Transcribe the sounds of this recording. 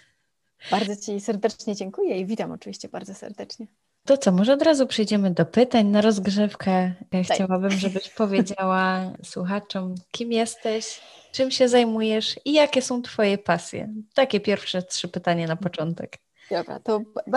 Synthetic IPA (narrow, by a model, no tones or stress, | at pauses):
b̥aɾd̪zɔt͡ɕisɛɾd̪ɛt͡ʂɲɛd͡ʑɛŋkujɛivʲit̪amɔt͡ʂɨvʲiɕt͡ɕɛbaɾd̪zɔsɛ̰ɾd̪ɛt͡ʂɲɛ | t̪ɔt̪sɔmɔʐɛɔd̪ɾazupʂɛjd͡ʑɛmɘd̪ɔpɘt̪aɲnaɾɔzɡʐɛfkɛxt͡ɕawabɘmʐɛbɘɕpɔvʲjed͡ʑawaswuxat͡ʂɔmkʲimjɛst̪ɛɕt͡ʂɘmɕɛzajmujɛʂijakʲɛsɔ̃w̃t̪fɔjɛpasʲjɛ̰t̪akʲɛpʲjɛɾfʂɛtʂɘpɘt̪aɲanapɔt͡ʂɔnt̪ɛ̰k | d̪ɔbɾa̰t̪ɔ